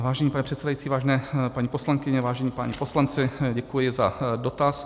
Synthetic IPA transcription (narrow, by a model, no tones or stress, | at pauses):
vaːʒɛɲiːpanɛpr̥ɛt̪sɛdajit͡siːvaːʒɛnɛːpaɲiːposlaŋkɪɲɛvaːʒɛɲiːpaɲipo̞slant͡sɪɟɛkujɪzadot̪as